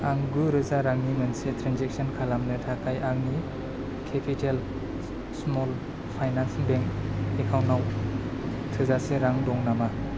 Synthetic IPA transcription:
aŋɡɯɾɯzaɾaŋnimɯnsetɾanzek̚sɔnkʰalamnɯtʰakʰajʔaŋni | kʰepʰitʰel | smɔl | pʰajnansŋbeŋkekʰawnaw | tʰɯzaseɾaŋdɔŋnama

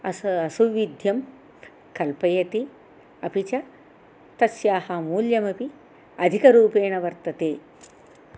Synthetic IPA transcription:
ɐɐsuʋid̪ʱjɐm | kɐlpɐjɐt̪i | ɐpit͡ʃɐ | t̪ɐsjaːhɐmuːljɐmɐpi | ɐd̪ʱikɐɾuːpeːɳɐʋɐɾt̪ɐt̪eː

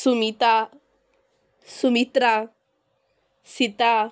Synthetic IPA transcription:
sumit̪a | sumit̪ɾa | sit̪a

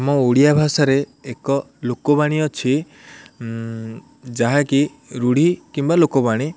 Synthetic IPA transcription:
mɔoɽijabʱasaɾeekɔlokɔbaɽ̃iɔt͡ʃʰi | d͡ʒaɦaki | ɾuɽ̤ikimbalokɔbaɽ̃i

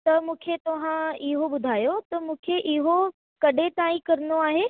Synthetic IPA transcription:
t̪ɐmũːkʰet̪ɐʋ̤ãɪɦoɓʊd̪ʱaːjot̪ɐmũːkʰeʔɪɦo | kɐɗet̪aːĩkɐɾənoaːɦeː

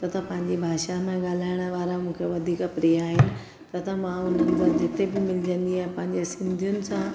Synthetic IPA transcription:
t̪ɐt̪ʰapɐ̃ɦɪ̃ɲd͡ʑebʱaːʃamẽɠaːl̤aːɪɽ̃ə̆ʋaːɾamũːkʰeʋɐd̪ʱiːkəpɾiːjaːɦɪnɪ̆ | t̪ɐt̪ʰɐmãʊn̤ənɪ̆t̪ɐd͡ʑɪt̪ebɪmɪlɪd͡ʑə̃nd̪iaːɦẽpɐ̃ɦɪ̃ɲd͡ʑesɪ̃nd̪ʱijʊnɪ̆sã

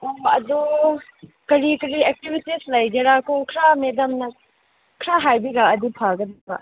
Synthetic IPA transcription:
oɐdu | kɐɾikɐɾiek̚tibitislɐjd͡ʒeɾakoŋkʰɾamedɐmnɐ | kʰɾaɦajbiɡaɐdipʰaɡɐd̪iba̰

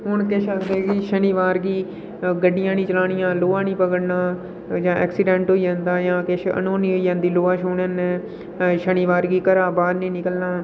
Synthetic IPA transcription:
ɦʊɳkeʃʰaːkd̪eːɡiːʃəniːʋaːɾɡiː | ɡəɖːɪjãːnĩːt͡ʃəlaːnɪjãːloːãːnĩːpəkəɽnaː | d͡ʒãːɛ̰ːksɪɖɛ̃ːɳʈɦoːiːd͡ʒãːnd̪aːjãːkɪʃʰə̰nõːnĩːɦoiːjãːnd̪iːloːãːʃʊːnnː | ʃəniːʋaːɾɡiːkəɾaːbaːɾnẽːnɪkəlnaː

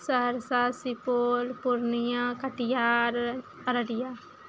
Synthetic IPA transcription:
səɾsaːsipoːlpʊɾnɪjãːkəʈɪjaːɾ | pəɾəɽɪjaː

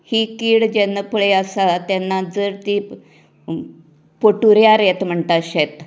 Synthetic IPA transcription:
hiːkiːɭd͡ʑenːəpɭeasat̪janːad͡zəɾt̪iː | poʈuɾjaɾjet̪m̤əɳʈ̪aɕet̪

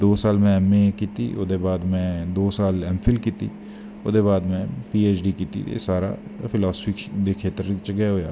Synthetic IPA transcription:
d̪oːsaːlmɛ̃ɛmẽkiːt̪ḭʔo̰d̪ebaːd̪mɛ̃d̪oːsaːlɛmfʰɪlkiːt̪ḭ | od̪eβaːd̪mɛ̃piːeːt͡ʃɖikiːt̪ḭḛsaːɾa̰pʰɪlaːsfid̪ekʰeːt̪əɾt͡ʃəɡɐɦoːja̰ː

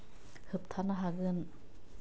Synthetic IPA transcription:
hɯp̚t̪ʰanaɦaɡɯn

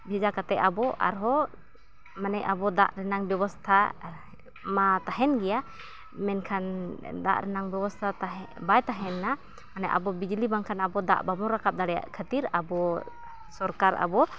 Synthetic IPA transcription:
bʱɛd͡ʒakat̪ɛʔabɔʔa̰ɾɦɔ | manɛʔabɔd̪a̰ʔɾɛnaŋbɛbɔst̪ʰa | mat̪aɦɛnɡɛja | mɛnkʰand̪a̰ʔɾɛnaŋbɛbɔst̪ʰat̪aɦɛ | bajt̪aɦɛnːa | manɛʔa̰bɔbid͡ʒlibaŋkʰanabɔd̪a̰ʔbamɔɾakap̚d̪aɽɛja̰ʔkʰət̪iɾa̰bɔ | sɔɾkaɾa̰bɔ

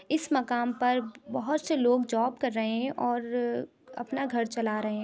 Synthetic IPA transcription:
ɪsmɐkaːmpɐɾbɐɦʊt̪seloːɡd͡ʒɔːbkɐɾːɐɦẽɦɛ̃ʔɔːɾ | ɐ̰pnaɡʱɐɾt͡ʃɐlaːɾɐɦẽɦɛ̃

